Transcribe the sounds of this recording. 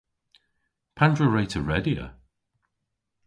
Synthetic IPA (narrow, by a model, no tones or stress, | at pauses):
pʰãndɹəɹeɪtʰəɹɛdiə̰